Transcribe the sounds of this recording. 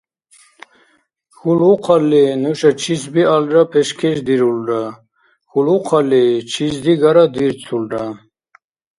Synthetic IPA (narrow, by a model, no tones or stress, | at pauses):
xuluqʰalːɛnuʃat͡ʃʰisbialɾapʰɛʃkʰɛʃd̪iɾulɾa | xuluqʰalɛt͡ʃʰizd̪iɡaɾad̪iɾt͡sʰulɾa